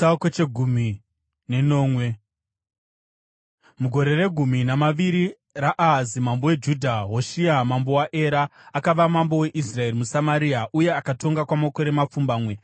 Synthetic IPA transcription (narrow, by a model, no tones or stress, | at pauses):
aket͡ʃeɡʱumi | ne̞no̞ːmwe̞ | muɡʱo̞ɾe̞re̞ɡʱuminamaʋiɾi | raʔaɦzimambo̞we̞d͡ʒudʱaɦo̞ʃiamambo̞waʔe̞ɾaːkaʋamambo̞we̞ʔisrae̞rimusamaɾiaʔuje̞akato̞ŋɡakwamako̞ɾe̞map͡fumbaːmwe̞